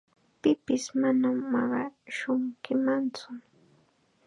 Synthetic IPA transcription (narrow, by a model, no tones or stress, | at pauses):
pɪpɪsmanamːɑɢɑʃʊɴkɪmant͡sʊ